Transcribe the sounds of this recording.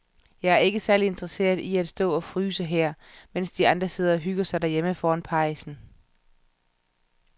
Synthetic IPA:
jɑ̈ɪæɐe̝ɡ̥əsæɐlide̝nd̥ʁɐse̝̰ːɐð̩ˠiæd̥sd̥ɔ̰̽ːɒ̽fʁyːsəɦæɐ̰men̰sd̥iɑ̈nd̥ʁɐse̝ð̞̰ˠɐɒ̽ɦyɡ̥ɐsɑ̈ɪd̥æɐjeməfɒːænpʰɑ̈ɪsn̩

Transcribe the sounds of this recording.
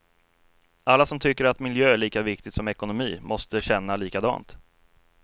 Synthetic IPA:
alːasɔmt̪ʰʏkːəɾat̪mɪljøːæɭiːkavɪk̚t̪ɪɡt̪sɔmɛkʊnʊmiːmʔɔst̪əɕɛnːaliːkad̪ɑ̰ːnt̪

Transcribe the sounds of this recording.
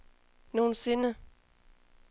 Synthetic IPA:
no̝ːn̩se̝nə

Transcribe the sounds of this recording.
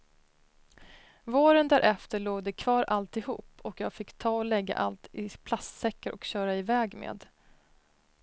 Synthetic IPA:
voːɾənd̪æɾʔɛft̪əɭoːɡd̪ɛkʰvɑːɾʔalt̪ɪhṵːpːɔkjɑːɡfɪkːt̪ʰɑːɔlɛɡːa̰ʔalt̪ɪpʰlast̪sɛkːəɾʔɔkɕœːɾaɪvɛːɡmḛːd̪

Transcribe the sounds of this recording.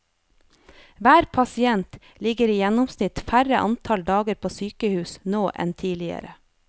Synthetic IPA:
ʋæːɾpʰɑsɪɛnt̪ | lɪɡəɾiːjɛnʊmsnɪt̪fæɾəʔɑ̰nt̪ʰɑld̪ɑːɡəɾpʰoːsyːkəhʉːsnoːʔɛ̰nt̪ʰiːlɪə̰ɾə

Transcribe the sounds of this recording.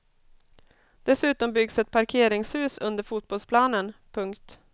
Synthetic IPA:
d̪̥ɛsʉ̟ːt̪ɔmbʏɡsɛt̪̚pʰaɾkʰeːɾɪŋshʉ̟ːsɵnd̪əɾfuːt̪̚bɔlspʰlɑːnənpʰɵŋkt̪

